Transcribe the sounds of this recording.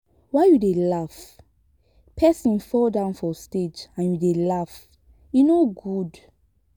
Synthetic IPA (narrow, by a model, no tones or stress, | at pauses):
wajudelaf | pʰɛsĩnfɔldãʊ̃nfɔsted͡ʒãnjudelaf | junoɡud